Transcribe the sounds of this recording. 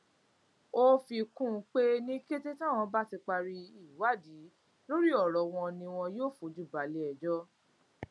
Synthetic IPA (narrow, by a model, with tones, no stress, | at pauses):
o˦fi˧kũ˦˧k͡pe˦nĩ˦ke˦te˦tã˦˨w̃ɔ̃˧ba˦ti˧k͡pa˧ɾi˧i˦˨wa˦˨di˨˦ | lo˦ɾi˦ɔ˦˨ɾɔ˨w̃ɔ̃˧nĩ˧w̃ɔ̃˧joː˦˨fũ˨˦d͡ʒu˦˨ba˨lɛ˨˦ɛ˨d͡ʒɔ˦